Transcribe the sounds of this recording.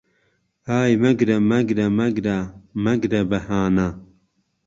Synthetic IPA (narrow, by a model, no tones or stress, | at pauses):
haːjmɐɡɾɐmɐɡɾɐmɐɡɾamɐɡɾɐbɐhaːna